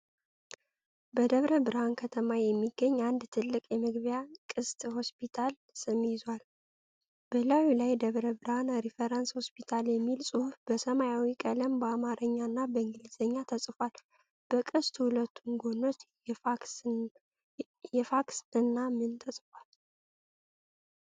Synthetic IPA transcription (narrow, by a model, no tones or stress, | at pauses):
bəd̪əβɾəbɨɾhankʰət̪ʰəmajɛmːiɡːəɲːand̪t̪ʰɨlːɨkʼjɛmɨɡβjakʼɨst̪ʼho̞spʰit̪ʰal | sɨmjɪzwal | b̥əlawilajd̪əβɾəbɨɾhanɾifeɾansho̞spʰit̪ʰaljɛmːilsʼɨhufb̥əsəmajawikʼələmbəamaɾʔəɲːanːabəɨŋɡɨliz̥əɲːat̪ʰəsʼfal | b̥əkʼɨst̪hulət̪ʰːunɡo̞no̞t͡ʃː | jɛfaksɨnːamɨnt̪ʰəsʼfal